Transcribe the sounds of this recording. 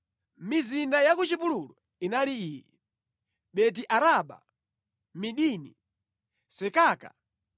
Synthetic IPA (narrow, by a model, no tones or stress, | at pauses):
mizindajakut͡ʃipululɔ | inaliiːjɛ̰ | ɓɛt̬iʔaɾaɓa̰ | miɗinḭ | sɛkaːka̰